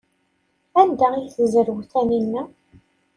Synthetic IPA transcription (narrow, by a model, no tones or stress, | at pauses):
ænd̪æiθəzəɾwθæninːæ